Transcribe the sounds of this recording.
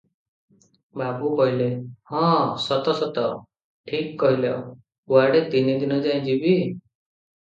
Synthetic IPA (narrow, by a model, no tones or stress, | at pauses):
babukɔɦilehɔ̃sɔt̪ɔsɔt̪ɔ | ʈʰikːɔɦila̰w | uaɖet̪inid̪inɔd͡ʒaj̃d͡ʒibi